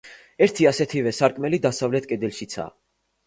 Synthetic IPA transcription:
ɛɾt̪ʰiasɛt̪ʰivɛsaɾkʼmɛlid̪asavlɛt̪ʰkʼɛd̪ɛlʃit̪sʰa̰

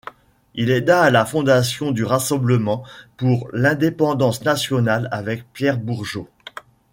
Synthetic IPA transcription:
ilɛd̪aːlafɔ̃d̪asjɔ̃d̪yʁasɑ̃bləmɑ̃puʁlɛ̃d̪epɑ̃d̪ɑ̃snasjɔnalavɛk̚pjɛʁbuʁʒo

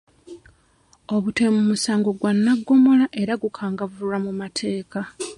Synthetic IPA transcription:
o̞βute̞mumusaːŋɡo̞ɡwanːaɡːo̞mo̞laʔe̞ɾaɡukʰaːŋɡavuɾamumatʰe̞ːka

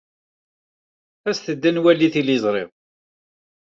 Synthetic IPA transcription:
æsθəd̪ːənwælːiθilizˤɾˤɪ̰ʁ

